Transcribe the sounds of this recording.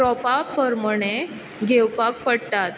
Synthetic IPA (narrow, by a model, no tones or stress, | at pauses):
ɾɔpapəɾməɽ̃e | ɡʱewpakpəɽt̪at̪